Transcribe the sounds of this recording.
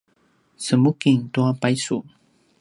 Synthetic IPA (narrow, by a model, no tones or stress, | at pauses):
səmukiŋtuapajsu